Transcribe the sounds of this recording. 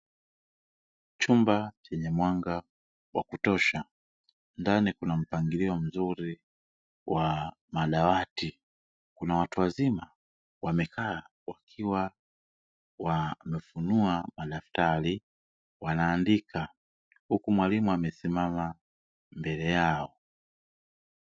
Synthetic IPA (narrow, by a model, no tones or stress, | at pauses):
t͡ʃumbat͡ʃɛɲɛmwaŋɡa | wa̰kutɔʃa | ndanikunam̩paŋɡiliɔm̩zuɾi | wa | maɗawati | kunawatuwazima | wamɛkʰa | wakʰiwa | wamɛfunuamaɗaftali | wanaːndikʰa | hukumwalimuamɛsimama | mbɛlɛjaɔ